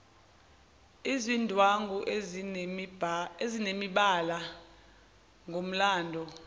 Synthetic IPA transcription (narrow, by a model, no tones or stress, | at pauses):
izindʱwaŋɡʱuʔ | ezinemiɓala | ŋʱom̩laːndʱɔ